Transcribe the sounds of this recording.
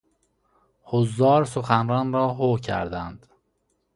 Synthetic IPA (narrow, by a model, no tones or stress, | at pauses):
hozːɒːɾsoxænɾɒːnɾɒːɦocʰæ̰ɾd̪ænd̪̥